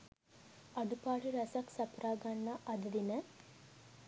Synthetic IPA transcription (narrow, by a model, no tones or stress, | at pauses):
ɐɖupaːʈiɾɐsɐksɐpɾaːɡɐnːɐʔɐd̪ɐd̪inə